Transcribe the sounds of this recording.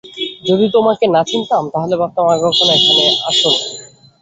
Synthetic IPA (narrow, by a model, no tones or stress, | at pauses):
d͡ʑod̪it̪omakenat͡ɕʰint̪amt̪aɦolebat̪amaɡʱokʰonaekʰaneʔaʃon